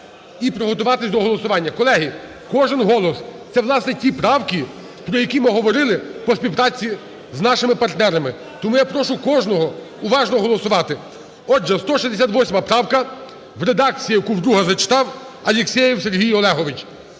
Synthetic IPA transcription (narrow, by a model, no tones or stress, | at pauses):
ipɾɔɦɔt̪ʊʋɑt̪ɪsʲd̪ɔɦɔlˠɔsʊʋɑnʲːɐkɔlˠɛɦi | kɔʒɪnɦɔlˠɔst̪sɛʋlˠɑsnɛtʲipɾɑwkʲi | pɾɔjɐkʲimɪɦɔʋɔɾɪlˠɪpɔsʲpʲiwpɾɑt͡sʲi | znɑʃɪmɪpɐrt̪nɛɾɐmɪ | t̪ɔmujapɾɔʃʊkɔʒnɔɦɔ | ʊʋɑʒnɔɦɔlˠɔsʊʋɑt̪ɪ | ɔʒɛst̪ɔʃizd̪esʲat̪ʋɔsʲmɐpɾɑwkɐ | ʋɾed̪ɑk̚t͡sʲijijɐkuwd̪ɾuɦɐzɐt͡ʃɪ̥t̪ɑw | ɐlʲeksʲɛjiwserɦʲijɔlˠɛɦɔʋɪt͡ʃ